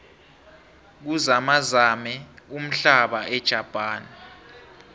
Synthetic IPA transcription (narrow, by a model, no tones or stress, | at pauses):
k̬uzamazamɛum̩ɬaɓaʔɛd̥ʒ̥ʱapʼaːni